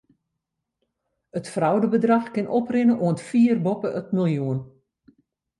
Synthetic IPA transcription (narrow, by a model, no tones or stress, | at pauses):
ətfrawdəbədrɑxkɪnʔɔprɪnəʔuəntfiərbɔpəʔətmilˠjuən